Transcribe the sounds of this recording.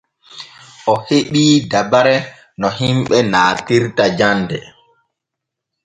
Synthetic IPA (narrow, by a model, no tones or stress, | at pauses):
ʔɔheɓiːdabaɾɛ | nɔhimɓɛnaːtiɾtad͡ʒandɛ